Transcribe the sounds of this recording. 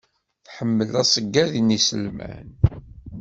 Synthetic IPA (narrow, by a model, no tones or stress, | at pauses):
θħəmːəlæsˤəɡːæðinisəlmæ̰n